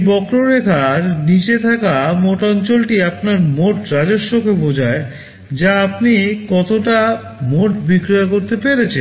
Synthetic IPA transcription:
bɔkɾoɾek̪ʰaɾnit͡ɕet̪ʰakamoʈɔnt͡ɕolʈiapnaɾmoʈɾad͡ʑoʃːokʰebod͡ʑʱae | d͡ʑaapnikɔt̪oʈa | moʈbikɾiakoɾt̪epeɾet͡ɕʰen

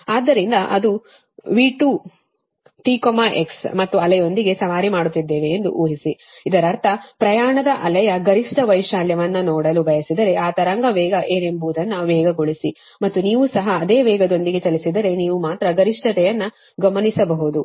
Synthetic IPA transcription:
aːd̪ːɐɾind̪ɐʔɐ̰d̪u | ʋiːʈuː | ʈiːkomaːʔeksmɐt̪ːuɐlɐjo̞nd̪iɡe̞sɐʋaːɾimaːɽut̪ːid̪ːeːʋeːnd̪ṵʔuːɦisi | id̪ɐɾɐɾt̪ʰɐpɾɐjaːɳɐd̪ɐʔɐlɐjɐɡɐɾiʂʈɐʋɐjʂaːljɐʋɐnːɐnɔːɽɐlubʱɐjɐsid̪ɐɾe̞ʔaːt̪ɐɾɐŋɡɐʋɛːɡɐʔeːne̞mbuːd̪ɐnːɐʋɛːɡɐɡo̞ɭisi | mɐt̪ːuniːʋusɐɦɐːd̪eːʋɛːɡɐd̪o̞nd̪iɡe̞t͡ʃɐlisid̪ɐɾe̞niːʋumaːt̪ɾɐɡɐɾiʂʈʰɐt̪ɛjɐnːɐ | ɡɐmɐnisɐbɐɦud̪u

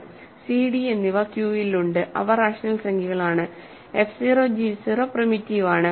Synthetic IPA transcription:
siɽienːiʋɐkjuːiluɳɖɨʔɐ̰ʋɐɾaːʂɐnɐlsɐŋɡʱiɣɐɭaːɳɨ | efsiroːd͡ʑisirɐprɐmitːiʋaːɳɨ

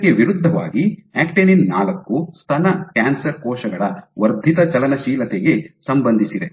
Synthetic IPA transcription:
kːeʋiɾud̪ʱːɐʋa̰ːɡiæːkʈeninːaːlɐkːust̪ʰɐnɐkaːnsɐɾkɔːʃɐɡɐɭɐʋɐɾd̪ʱit̪ɐt͡ʃɐlɐnɐʃiːlɐt̪eɡe̞sɐmbɐnd̪ʱisid̪e

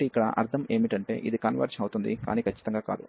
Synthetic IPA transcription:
iikːɐɽɐ̰ʔɐ̰ɾt̪ʰɐme̞ːmiʈɐɳʈe̞̰ːʔid̪ikɐnʋɐ̰ɾt͡ʃɐwut̪und̪ika̰ːniːkʰɐt͡ʃːi̥t̪ɐŋɡaːkaːd̪u

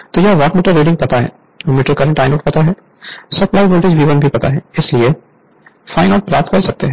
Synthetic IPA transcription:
t̪ojaɦʋaːʈmiːʈəɾːeːɖɪ̃ŋɡ̚pɐt̪aɦɛ̰ː | ɔmɪːʈəɾkɐɾə̃ɳʈaːɪnoːʈpɐt̪aɦɛː | sɐklaːɪboːlʈeːd͡ʒʋiːʋənbʱipɐt̪a̰ɦɛɪslie | fʰaːɪnaʊʈɾaːt̪kɐɾsɐk̚t̪eɦɛ̃ː

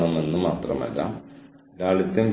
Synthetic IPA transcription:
ɳɐmenːumaːt̪rɐ̰mɐ̰lːɐ̰ | ɾaːɭit̪ːɐmɡ

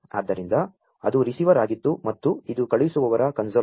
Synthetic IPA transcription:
a̰ːd̪ːɐɾind̪ɐ | ɐd̪uɾisiːʋɐɾaːɡit̪ːumɐt̪ːuid̪ukɐɭjisuʋɐʋɐɾɐkɐnsoː

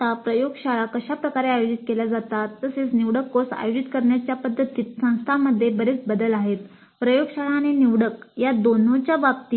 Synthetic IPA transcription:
apɾəjoɡɕaɭakəɕapɾəkaɾeajod͡ʑit̪̚kelad͡zat̪at̪ːəset͡sniʋɽəkːosa̰jod͡ʑit̪kəɾɳjat͡ɕjapəd̪ʱːət̪it̪sə̃w̃st̪ʰaməd̪ʱːjebəɾet͡sbəd̪əlaɦet̪ | pɾəjoɡɕaɭaːɽ̃iniʋɽəkjad̪onõt͡ɕjabapt̪i

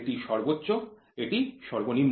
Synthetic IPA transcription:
ʈiʃɔɾbotːɕo | eʈiʃɔɾbonimː

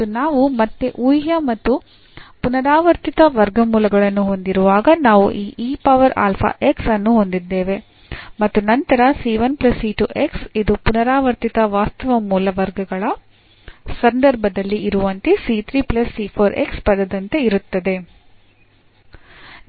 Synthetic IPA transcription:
unaːʋumɐt̪ːeʔujɦjɐmɐt̪ːu | punɐɾaːʋɐɾt̪it̪ɐʋɐɾɡɐmuːlɐɡɐɭɐnːuɦo̞nd̪iɾuʋaːɡɐnaːʋṵʔiːʔiːpɐʋɐɾa̰ːlpʰa̰ːʔe̞ksɐnːuɦo̞nd̪id̪ːe̞ːʋe̞ | mɐt̪ːunɐnt̪ɐɾɐsiːʋɐnplɐsiːʈuʔe̞ksid̪upunɐɾaːʋɐɾt̪it̪ɐʋaːst̪ɐʋɐmuːlɐʋɐɾɡɐɡɐɭɐ | sɐnd̪ɐɾbʱɐd̪ɐlːiːɾuʋɐnt̪esit̪ʰɾiːplɐsːiːpʰoːɾḛkspɐd̪ɐd̪ɐnt̪e̞iɾut̪ːɐd̪e̞

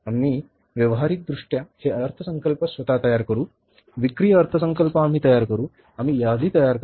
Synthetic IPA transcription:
amiː | ʋjəʋəɦaɾik̪̚d̪ɾuʂʈjaheəɾt̪ʰəsəŋkəlpəsʋɐt̪at̪əjaɾkəɾuː | ʋikɾijːɾt̪ʰəsəŋkəlpaːm̤iːt̪əjaɾkəɾuː | am̤iːjad̪ʱiːt̪əjaɾk

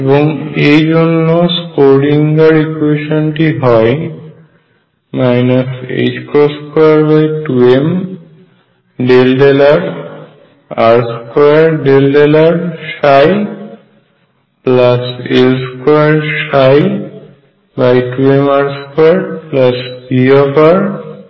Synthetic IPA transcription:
eboŋejd͡ʑonːoskoɾiŋɡaɾikueʃonʈiɦɔe | majnasḛd͡ʑkoskɔjaɾbajʈuem | ɖelɖelaɾ | aɾskɔjaɾɖelɖelaɾʃaj | plaselskɔjaɾʃaj | bajʈuemaɾskɔaɾplasbiɔpaɾ

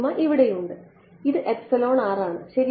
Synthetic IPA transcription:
maʔiʋiɽejuɳɖɨ | iðɨʔepsɐlo̞ːɳaːraːɳɨɕɐɾi

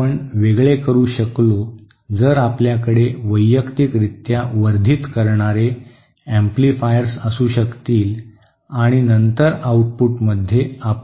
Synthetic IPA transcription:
əɳʋeɡɭekəɾuːɕəklo | d͡zəːɾapljakəɽeʋəjːəkt̪ikɾit̪jaʋəɾd̪ʱiːt̪kəɾɳ̃aɾe | emplifajəɾsəsuːɕəkt̪iːl | aɽ̃inənt̪əɾauʈ̚puʈməd̪ʱːjeap

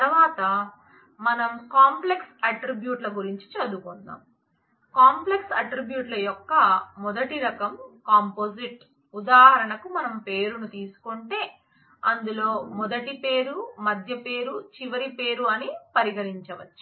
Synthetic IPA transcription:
t̪ɐɾɐʋaːt̪ɐ | mɐnɐmkaːmple̞ksɐʈɾibjuːʈlɐɡuɾiɲt͡ʃi̥t͡ʃɐd̪ukund̪a̰ːm | kaːmple̞ksɐʈɾibjuːʈlɐjɔkːɐmɔd̪ɐʈiɾɐkɐmkaːmpoːd͡ʒiʈ | ud̪aːɦɐɾɐɳɐkumɐnɐmpe̞ːɾunut̪iːsu̥koɳʈe̞ː | ɐnd̪ulo̞ːmɔd̪ɐʈipe̞ːɾumɐd̪ʱjɐpe̞ːɾut͡ʃiʋɐɾipe̞ːɾuɐnipɐɾiɡɐɾiɲt͡ʃɐʋɐt͡ʃːu̥

